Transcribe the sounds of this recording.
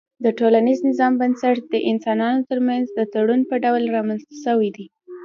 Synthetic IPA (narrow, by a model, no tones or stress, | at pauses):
d̪əʈolaniznɪzɑmbansaʈd̪əʔɪnsɑnɑnot̪əɾmanzd̪ət̪aɽunpəɖawlɾɑmanst̪ḁʃəwid̪i